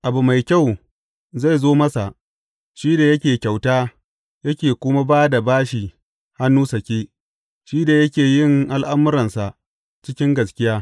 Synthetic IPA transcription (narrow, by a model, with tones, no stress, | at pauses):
ʔa˨bu˨ma˨jkʲa˦˨w | za˦˨jzoː˦mɐ˦sa˨ʔ | ʃiː˦da˨jɐ˦kʲeː˨kʲa˨wtaː˦ | jɐ˦kʲeː˨kʷʊ˦ma˦baː˦da˨baː˦ʃi˨ | ha˦nːuː˦sɐ˨kʲeː˦ | ʃiː˦da˨jɐ˦kʲeː˨jɪ˦˨ŋʔa˨lʔa˦mʊ˦ɾɐ˨nsa˨ʔ | t͡ʃɪ˦kʲɪ˦ŋɡɐ˨skʲɪ˦jaː˦